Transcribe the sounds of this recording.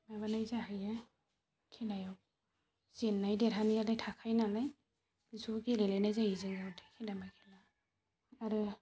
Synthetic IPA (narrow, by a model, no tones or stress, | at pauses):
majβanajzaajɛ | kʰinajaw | z̥enːajdeɾaniadajtʰakʰajnanaj | bisukelelajnajzajizezawtʰe̥kʰidamajkʰila | aɾɯ